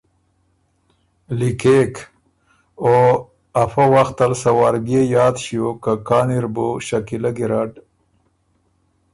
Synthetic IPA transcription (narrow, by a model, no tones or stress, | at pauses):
likek | o | ɐfawaxt̪ɐlsɐwaːɾɡejaːd̪ɕijokakaːniɾboɕakilaɡiɾaːɖ